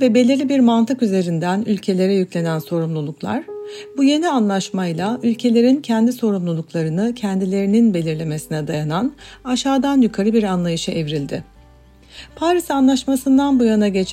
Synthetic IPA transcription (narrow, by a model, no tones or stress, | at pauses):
vɛbe̞lʲiɾlʲibiɾmant̪ʰɯkyze̞ɾind̪ænylʲcʰe̞lʲe̞ɾɛjyclʲe̞nænso̞ɾumlˠulˠuklˠa̰ɾ̥buje̞nianlˠaʃmajlˠaylʲcʰe̞lʲe̞ɾincʰɛnd̪iso̞ɾumlˠulˠuklˠaɾɯnɯcʰɛnd̪ilʲe̞ɾininbe̞lʲiɾlʲe̞me̞sinɛd̪ajananaʃaːd̪anjykʰaɾɯbiɾanlˠajɯʃɯʔevɾilʲd̪ɪ | pʰaɾisanlˠaʃmasɯnd̪anbujanaɟe̞t͡ʃʰ